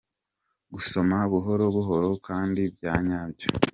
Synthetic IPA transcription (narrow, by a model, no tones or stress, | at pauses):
ɡuso̞maβuɦo̞ɾo̞βuɦo̞ɾo̞kaːndibɟaːɲaːɲɟe̥